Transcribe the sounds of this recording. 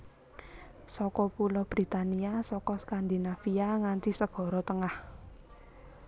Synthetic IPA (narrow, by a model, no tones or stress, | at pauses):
sɔkɔpulɔb̥ɾi̤t̪aniasɔkɔskand̪inafiaŋant̪isəɡ̥ɔ̤ɾɔt̪əŋah